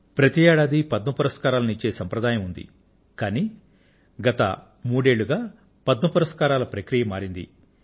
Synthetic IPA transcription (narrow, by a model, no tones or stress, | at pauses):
pɾɐt̪iɛːɽaːd̪ipɐd̪nɐpɐɾɐskaːɾaːlɐnit͡ʃːe̞ːsɐmpɾɐd̪aːjɐmund̪ḭ | kaːniː | ɡɐt̪ɐ̰ | muːɽe̞ːɭːuɡaː | pɐd̪nɐpɐɾɐskaːɾaːlɐpɾɐkɾijɐmaːɾind̪ḭ